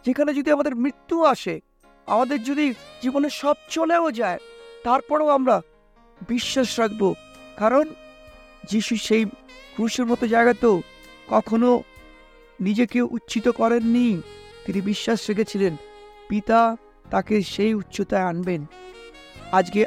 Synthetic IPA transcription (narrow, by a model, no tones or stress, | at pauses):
d͡ʑekʰaned͡ʑod̪ʱiamad̪eɾmɾit̪ːuaʃe | a̰mad̪eɾd͡ʑod̪id͡ʑiboneʃɔb̚t͡ɕoleod͡ʑaet̪aɾpɔɾoamɾa | biʃːaʃɾakʰbokaɾon | d͡ʑiʃuʃejkɾuʃeɾmɔt̪od͡ʑaeɡat̪e | kɔkʰono | nid͡ʑekeʔutːɕit̪okɔɾenːit̪inibiʃːaʃɾekʰet͡ɕʰilenpit̪a | t̪akeʃejutːɕʰot̪aeanben | ad͡ʑke